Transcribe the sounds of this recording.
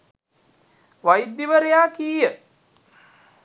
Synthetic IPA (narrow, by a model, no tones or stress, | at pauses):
ʋajd̪ːiʋəɾejaːkiːjə